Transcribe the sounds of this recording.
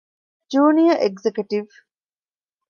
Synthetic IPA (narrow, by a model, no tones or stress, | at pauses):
d͡ʒuːnijɐʔeɡzekuʈiʋ